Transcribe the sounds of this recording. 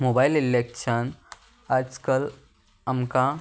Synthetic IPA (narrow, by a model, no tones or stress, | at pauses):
mobajlilekʃən | ad͡ʒkəl | amka